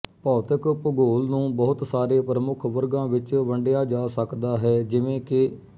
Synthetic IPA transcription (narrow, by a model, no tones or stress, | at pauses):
pɔːt̪əkpəɡoːlnũːbɔːʊt̪saːɾeːpəɾəmʊkʰʋəɾɡãːʋɪt͡ʃʋəɳɖɪjaːd͡ʒaːsəkd̪aːɦɛːd͡ʒɪʋẽːkɪ